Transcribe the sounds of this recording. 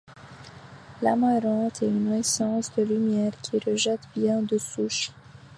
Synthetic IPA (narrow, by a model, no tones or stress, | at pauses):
lamaɾɑ̃t̪ʰɛynnwɛsɑ̃sd̪əlymjɛːʁkʲʰiʁəʒɛt̪bjɛ̃d̪əsuʃ